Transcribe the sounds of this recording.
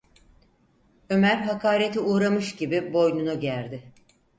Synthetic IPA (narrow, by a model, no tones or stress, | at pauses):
ø̞mæɾɦakaːɾet̪ʰiuːɾamɯʃɟibibo̞jnunuɟæɾd̪ɪ